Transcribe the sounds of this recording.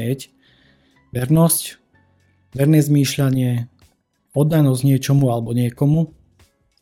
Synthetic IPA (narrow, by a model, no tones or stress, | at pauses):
ɛc | ʋɛɾnɔsc | ʋɛɾnɛːzmiːʃʎaɲɪɛ | ɔd̪ːanɔzɟɲɪɛt͡ʃɔmualɛbɔɲɪɛkɔmu